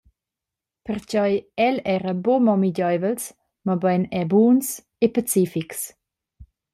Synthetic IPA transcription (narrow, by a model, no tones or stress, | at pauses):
pəɾt͡ɕɔjɛlɛɾəbomɔmiɟɔjvəls | mabajnɛbuːns | epat͡sifiks